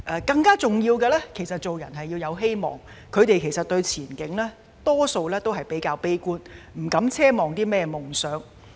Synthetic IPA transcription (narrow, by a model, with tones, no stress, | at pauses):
ʔɛː˧kɐ˧ŋkaː˥t͡sʊ˨ŋjiː˧wkɛ˧lɛː˥kʰe˨˩jsɐ˨t̚t͡so˨wjɐ˨˩nɦɐ˨jːi˧wjɐ˨˧wɦe˥jmɔ̰ː˨˩ŋ | kʰɵ˨˧ɥt̪e˨jkʰe˨˩jsɐ˨t̚t̪ɵ˧ɥt͡sʰiː˨˩nkɪ˨˥ŋlɛː˥ | t̪ɔː˥so˧wlɛː˥t̪o˥wɦɐ˨˩jpe˨˥jkaː˧wpe˥jkuː˥nm̩˨˩kɐ˨˥mt͡sʰɛː˥mɔː˨˩ŋt̪iː˥mɛː˥mʊ˨˩ŋsœː˨˥ŋ